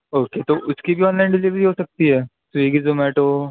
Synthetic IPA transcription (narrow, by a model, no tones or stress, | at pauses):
oːket̪oʔʊskibʱiɔːnlaːɪnɖɪliːʋɾiɦosɐk̚t̪iɦɛːsʋiːɡizoːmɛːʈoː